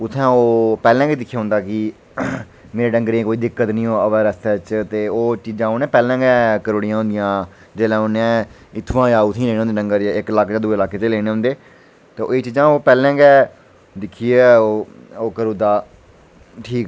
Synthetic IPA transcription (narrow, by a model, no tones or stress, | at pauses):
ʊt̪ʰːɛ̃ːoːpɛːlɛ̃ːɡiːd̪ɪkʰːjaːɦʊ̃nd̪aːkɪ | meːɾeːɖəŋɡɾẽːkoːiːd̪ɪkːət̪nĩːɦoːəʋɛːɾəst̪ɛːt͡ʃt̪eːoːt͡ʃiːd͡ʒãːonẽːpɛːlɛ̃ːɡɛːkəɾoːɽijãːɦʊ̃nd̪ɪjãː | d͡ʒeːlɛ̃ːonẽː | ɪt̪ʰːʋãːjaːʊt̪ʰːĩːleːẽɦnd̪eːɖə̃ŋɡəɾɪklaːkʰd͡ʒaːd̪uːeːlaːkeːt̪eːleːñeːɦʊ̃nd̪eː | t̪eːʔeːt͡ʃiːd͡ʒãːoːpɛːlɛ̃ːɡɛː | d̪ɪkʰːiːɛːoːoːkəɾuːd̪aː | ʈʰiːkː